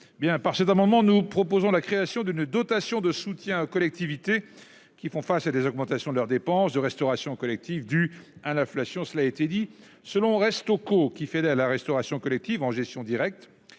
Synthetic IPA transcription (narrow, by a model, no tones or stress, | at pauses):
bjɛ̃paʁsɛt̪amɑ̃d̪mɑ̃nupχɔpozɔ̃lakχeasjɔ̃d̪ynd̪ɔt̪asjɔ̃d̪əsut̪jɛ̃okɔlɛk̚t̪ivit̪e | kʲifɔ̃fasad̪ezɔɡmɑ̃t̪asjɔ̃d̪əlœʁd̪epɑ̃sd̪əʁɛst̪ɔʁasjɔ̃kɔlɛk̚t̪ivd̪yalɛ̃flasjɔ̃səlaet̪ed̪i | səlɔ̃ʁɛst̪okokʲifed̪ɛlaʁɛst̪ɔʁasjɔ̃kɔlɛk̚t̪ivɑ̃ʒɛst̪jɔ̃d̪iʁɛk̚t̪